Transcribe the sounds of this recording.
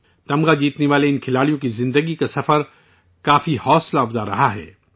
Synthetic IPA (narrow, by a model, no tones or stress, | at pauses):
t̪ɐmɡad͡ʒiːt̪neʋaːleɪnkʰɪlaːɽijõkizɪ̃nd̪əɡikasɐfəɾ | kaːfihɔːslaɐfzaɾɐ̰ɦaɦɛ̰ː